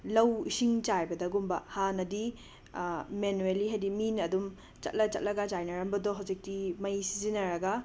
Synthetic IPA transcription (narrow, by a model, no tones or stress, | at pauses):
lɐwisiŋt͡ʃajbɐdɐɡumbɐhanɐdi | menueliɦajdiminɐdum | t͡ʃɐ̰t̚lɐt͡ʃɐt̚lɐɡɐd͡ʒajnɐɾɐmbɐdɔɦɐwd͡ʒik̚timɐjsizinɐɾɐɡɐ